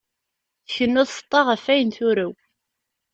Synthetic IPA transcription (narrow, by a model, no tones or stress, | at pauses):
θəçənːʊðsə̥t̪ˤːɑʁəfæjənθʊɾæw